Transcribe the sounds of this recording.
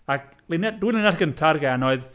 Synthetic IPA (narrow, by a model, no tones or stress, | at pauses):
ak̚ | lɪnadwinlɪnjasɡ̥əntʰarɡɛnɔɨð